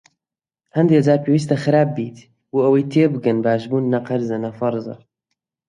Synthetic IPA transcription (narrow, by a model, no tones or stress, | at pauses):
hɐnd̪ehɨzaːɾpeːwis̬t̪ɐxɨɾaːp̚ːiːt̪ | wuʔɐwejt̪ʰeːbɨɡɨnbaːʃbuːnːɐqɐɾzɐnɐfɑɾzɑ̰